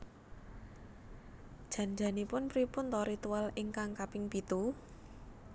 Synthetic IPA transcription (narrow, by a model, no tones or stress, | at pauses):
d̥ʒ̥ä̤nd͡ʒa̤nipʊnpɾipʊnt̪ɔɾit̪ualɪŋkaŋkapɪŋpit̪u